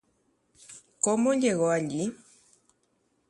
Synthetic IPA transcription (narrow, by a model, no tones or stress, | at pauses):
komõʎeɣoaʎi